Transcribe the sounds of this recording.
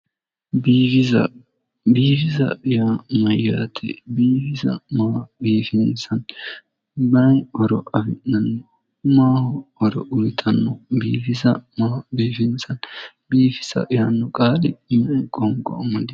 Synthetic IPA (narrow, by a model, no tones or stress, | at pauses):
biːfɪzɐ̰ | biːfɪsɐ̰ʔɪjamɐjːaːt̪ʰɛ̰biːfɪsɐ̰maːbiːfɪnsɐn | bɐnɔɾɔʔɐfɪnnɐnːɔ | maːhɔɔɾɔ̰ʔʊlɪt̪ʰɐnːɔbḭːfɪzɐmaːbiːfɪnsɐn | biːfɪ̥sɐ̰ʔɪjanːɔkʼaːlɪmɐkʼɔŋɡɔ̰ɐmɐd̪ɪ